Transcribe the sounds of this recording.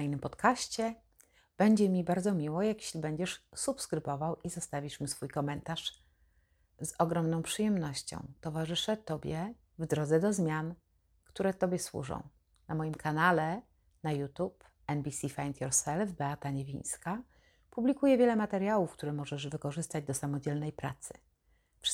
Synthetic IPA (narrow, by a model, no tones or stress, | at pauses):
inɘmpɔt̪kaɕt͡ɕɛ | b̥ɛɲd͡ʑɛmʲibaɾd̪zɔmʲiwɔjakje̥ɕlʲibɛɲd͡ʑɛʂsupskɾɘbɔvawizɔst̪avʲiʂmʲisfujkɔmɛnt̪aʂ | zɔɡɾɔmnɔ̃w̃pʂɘjɛmnɔɕt͡ɕɔ̰̃w̃t̪ɔvaʐɘʂɛt̪ɔbʲjɛ | vd̪ɾɔd̪zɛd̪ɔzmʲjan | kt̪uɾɛt̪ɔbʲjɛswṵʐɔ̰̃w̃ | namɔjimkʰanalɛ | najut̪up | ɛnbʲisʲifajnt̪ʲjɔɾsɛlvbɛat̪aɲevʲḭj̃ɲ̃ska | publʲikujɛvʲjɛlɛmat̪ɛɾjawufk̚t̪uɾɛmɔʐɛʐvɘkɔʐɘst̪ad͡ʑd̪ɔsamɔd͡ʑɛlnɛjpɾa̰t̪sɘ̥ | fʂ